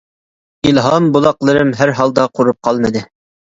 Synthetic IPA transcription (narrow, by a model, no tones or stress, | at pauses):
ilˠɦɑmbulˠɑqlˠɨɾɨmɦæɾɦɑlˠd̪ɑqʰuɾup̚qʰɑlˠmɨd̪ɪ